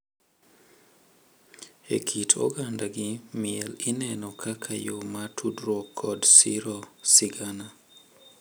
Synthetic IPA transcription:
ekʰitʰo̰ɡandaɡɪmɪɛlɪnɛnɔkʰakʰajomatʰudɾɔkʰːɔdsiɾosɪɡana

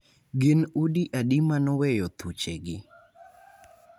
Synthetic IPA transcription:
ɡɪnudiʔadimanɔwɛjɔt̪ʰut͡ʃeɡɪ

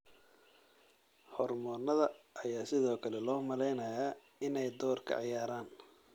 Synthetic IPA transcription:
hɔrmɔːnɐðɐʔːjaːsɪðɔːkʰɐlɛlɔːmɐlɛjnɐjaː | ɪnɛjd̪ɔːrkʰɐ̰ʕɑjaːɾaːn

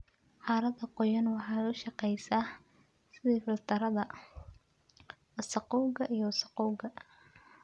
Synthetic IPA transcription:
ħɑːɾɐðɐqɔjɐnwɑħɑːʊʃɑqɛjsaː | sɪðiːfɪlt̪ʰɐɾɐðɐ | ɐsɑqɔwɡɐʔijɐwsɑqɔwɡɐ

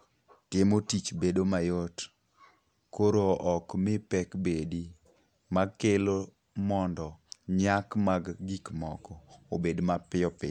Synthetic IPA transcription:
tɪmotit͡ʃbedomajot | koɾoʔɔkmɪpɛkbedi | maɡkelo | mɔndɔɲakmaɡɡikmɔkɔobedmapɪɔpɪ̰

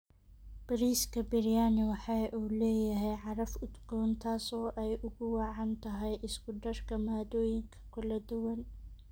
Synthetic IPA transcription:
b̥ɐɾiːskʰɐbɪɾjaːnɪwɑħɑjʔuːlɛːjɐɦɛjʕɑɾɐfʊd̪ɡɔːnt̪ʰaːsɔːʔɛjʔʊɣʊwɑːʕɑnt̪ʰɐɦɛjʔɪsɡʊɖɐrkʰɐmaːd̪ɔːjɪŋkʰɐ̥kʰʊlɐd̪ʊwɐn

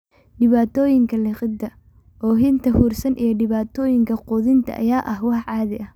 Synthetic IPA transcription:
ɖɪβaːt̪ʰɔːjɪŋkʰɐlɪqɪd̪ːɐ | ʔɔːɦɪnt̪ʰɐhuːrsɐnʔijɞɖɪβaːt̪ʰɔːjɪŋkʰɐqʊðɪnt̪ʰɐ̰ʔɐ̰jaːʔɐhwɑħʕɑːðɪʔɐh

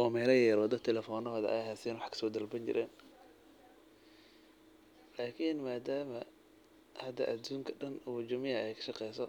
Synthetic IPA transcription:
ʔɔːmɛːlɐjɛːɾɔːd̪ɔt̪ʰɛlɛfɔːnɔɦɔːðɐ̰ʔɐ̰jhasɪjɛnwɑħkʰɐ̥sɔːd̪ɐlbɐnt͡ʃɪ̰ɾʔɛ̰ːn | laːkʰinmaːd̪aːmɐ | hɐd̪ɐ̰ʔɐd̪uːŋkʰɐɖɐnud͡ʒʊmɪjɐɛjkʰɐ̥ʃɑqɛjsɔ

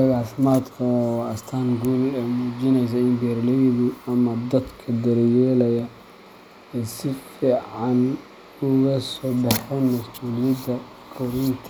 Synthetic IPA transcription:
ɐɣaːfɪmaːd̪kʰɐɐst̪ʰaːnɡuːlɛmuːt͡ʃɪnɛjs̬ɐɪmbɛɾlɛjðʊɐmɐd̪ɐd̪kʰɐd̪ɐɾjɛːlɐjɐ | ɛːsɪfiːʕɑn | ʊɣɐsɔːbɑħɔnmɐsuːlɪjɐd̪ɐ | kʰɔɾɪnt̪ʰ

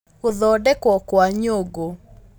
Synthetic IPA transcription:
ɣoðɔdɛkɔkwaɲoɡo

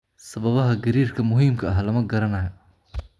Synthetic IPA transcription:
sɐβɐβɐɦɐɡɐɾiːrkʰɐmʊɦiːmkʰɐʔɐɦlɐmɐɡɐɾɐnɐjɐ

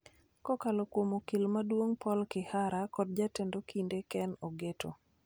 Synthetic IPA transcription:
kɔkalokwomokilmadwoŋpʰɔlkɪhaɾakɔd̚d͡ʒatendokindekɛnoɡeto̰

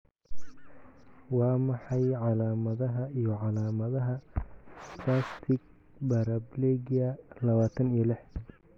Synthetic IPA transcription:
wɑːmɑħɑjʕɑlaːmɐðɐɦɐijɞʕɑlaːmɐðɐɦɐ | pʰlaːst̪ʰɪɡ̚ | bɐɾɐblɛɡɐlɐβaːt̪ʰɐnilɪħ

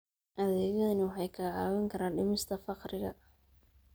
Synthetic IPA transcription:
ʔɐðɛːɣɐðɐnɪwɑħɑjkʰɐʕɑːwɐŋkʰɐɾaːnɖɪmɪst̪ʰɐfɑqrɪɣɐ

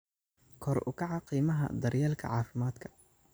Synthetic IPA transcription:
kʰɔrʊ̰kʰɑʕɑqiːmɐɦɐ̰d̪ɐrjɛːlkʰɐ̰ʕɑːfɪmaːd̪̥kʰɐ̥

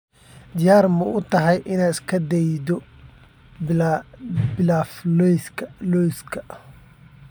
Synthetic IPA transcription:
d̪ɪjaːrmʊʊt̪ʰɐɦɛjʔɪnaːɪskʰɐd̪ɛjd̪ɔ | bɪlaːflɔjskʰlɔjskʰɐ

